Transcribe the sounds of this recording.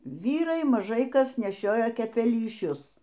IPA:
ˈʋʲiːrɐɪ mɐˈʒɐɪ ˈkɐs nʲɛˈʃʲoːjoː kʲɛpʲɛlʲiːˈʃʲʊs

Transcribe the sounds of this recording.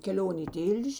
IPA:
kʲɛˈlʲoːnʲ iː ˈtʲɪlʲʃʲ

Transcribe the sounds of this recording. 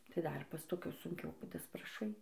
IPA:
tɐɪ ˈdɐr pɐs toːˈkʲʊs sʊŋʲˈkʲɛʊ dɐsprɐˈʃɐɪ

